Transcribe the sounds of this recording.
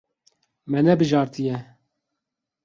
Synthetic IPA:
mɛnɛbɨʒɑːɾt̪ɨjɛ

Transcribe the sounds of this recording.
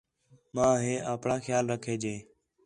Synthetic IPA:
mãːɦẽːʔaːpɳãːxjaːlɾəkʰeːd͡ʒeː

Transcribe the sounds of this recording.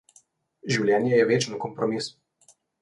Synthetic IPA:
ʒiwlʲjɛːnjɛjɛʋeːt͡ʃnɔkɔmpɾɔmis

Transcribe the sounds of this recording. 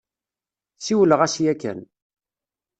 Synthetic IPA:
siwələʁæsjækːæ̰n

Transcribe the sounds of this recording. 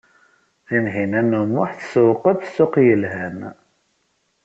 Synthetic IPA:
ðinɦinænumʊħθə̥səwqəðθsːʊqjəlɦæn

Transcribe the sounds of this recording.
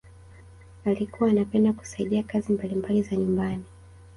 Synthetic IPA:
alikuwaːnapɛndaku̥saiɗiakazimbalimbalizaɲumbani

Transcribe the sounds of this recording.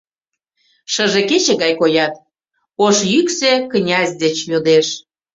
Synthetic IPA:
ʃəʒeket͡ɕĕɣɑjkojɑt̪ | poʃjykseknʲɑzʲd̪et͡ɕjod̪eʃ

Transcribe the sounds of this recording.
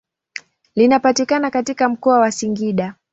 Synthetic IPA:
linapatikanakatikam̩kɔawasiŋɡiɗa

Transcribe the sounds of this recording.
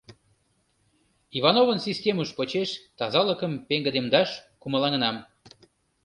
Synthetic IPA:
ivɑnovənsisʲtʲeməʃpot͡ɕeʃt̪ɑzɑləkəmpeŋɡəd̪emd̪ɑʃkuməlɑŋənɑm

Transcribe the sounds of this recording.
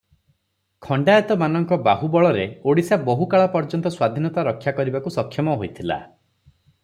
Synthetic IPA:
kʰɔɳɖaet̪ɔmanɔŋkɔbaɦubɔɭɔɾeoɽisabɔɦukaɭapɔɾd͡ʒɔnt̪ɔswad̪ʱinɔt̪aɾɔkʰjakɔɾibakusɔkʰːjɔmɔɦojt̪ʰila̰

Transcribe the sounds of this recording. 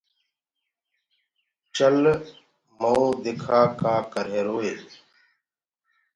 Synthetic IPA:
t͡ʃəl | mouːd̪ɪkʰaːkaːkəɾɦeːɾoːeː

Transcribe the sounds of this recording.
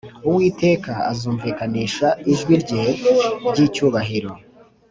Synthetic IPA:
uwiːte̞ːkaa̰zuːɱviːkaniːʃaiʒɡwiɾɟe | ɟiːcuːβaɦiɾo̞

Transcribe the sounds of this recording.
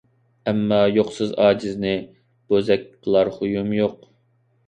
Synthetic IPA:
ɛmːɑjoqsɨzɑːd͡ʒɨznɪ | b̥ozɛkʲqʰəlˠɑɾχʊjumjoq

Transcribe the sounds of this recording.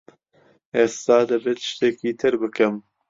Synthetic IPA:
ʔeːst̪aːd̪ɐbeːt̪ʃt̪eːkiːt̪ʰɨɾbɨkɨm

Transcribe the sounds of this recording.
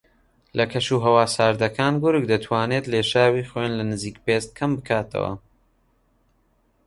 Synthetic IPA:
lʔɐkʰɐʃuːɦɐwaːsaːɾd̪ɐkʰaːnɡʊɾɨk̚d̪ɐt̪ʰwaːneːt̪leːʃaːwiːχwenlɐnɨziːkpest̪̚kʰɐmbɨkʰaːt̪ʰɐ̰wɐ̰

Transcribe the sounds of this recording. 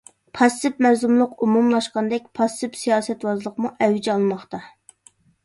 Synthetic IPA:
pʰɑst̪ɨpmæɾzumlˠʊqumumlˠɑʃqɑnd̪ɛk̚ʲpʰɑst̪ɨpsijɑːsɛt̪wɑzlˠəqmuʔɛwd͡ʒɛɑlˠmɑχt̪ɑ

